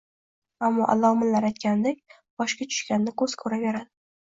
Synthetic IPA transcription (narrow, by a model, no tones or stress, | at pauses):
amːɒʔa̰lɒmɪlːaɾajt̪̚kʲand̪ekʲ | b̥ɒʃkʲat͡ʃʰʊ̥ʃkʲanːɪkʰɵz̥kʰɵɾave̞ɾad̪ɪ